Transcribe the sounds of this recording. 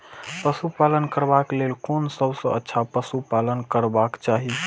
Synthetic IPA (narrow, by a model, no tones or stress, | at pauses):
pəsupalənkəɾbaklelkonsəbsə̃ətːʃʰapəsupalənkəɾbakt͡ʃaɦi